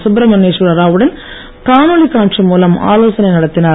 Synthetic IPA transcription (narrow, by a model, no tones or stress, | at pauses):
sʊbɾɐmɐneːʂʋɯɾɐɾaːʋɯɽɐn | k̪aːmoɭikaːɳʂɐmuːlɐma̰ːloːsɐnɐɪnɐɽɐt̪ːɪnaː